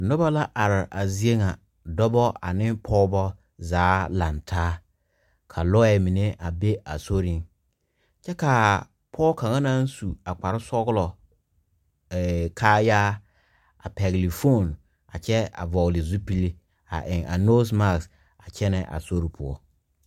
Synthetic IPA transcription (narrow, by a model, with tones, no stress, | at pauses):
nʊ˦ba˦la˦ʔa˨ɾɪ˨ʔa˨zi˦e˦ŋã˨ | dɔ˦bɔ˦a̰˨nɪ̃˦pʰɔ˦bɔ˦ | zaː˨˦lã˨ntʰaː˦ | kʰa˨lɔ˦ɛ˨mĩ˨ne˦ʔa˨be˦a˨so˦ɾĩ˦n | t͡ʃʰɛ˦ka˨ | pʰɔː˦kʰã˨ŋã˦nã˦n̩˦su˨a˨k͡pa˨ɾɪ˦sɔ˦ɡlɔ˨ | kʰaː˦jaː˦ | a̰˨pʰɛ˨ɡli˨fo˦˨n | a̰˨t͡ɕʰɛ˦a̰˨vɔ˨lɪ˨zu˦pi˦li˦ | a̰˨ʔɪ̃˨ŋa̰˨no˦s̬ma˦˨ks | a˨t͡ɕʰɛ˦nɪ̃˨ʔa̰˨so˦ɾi˨pʰʊ˨ɔ̰˨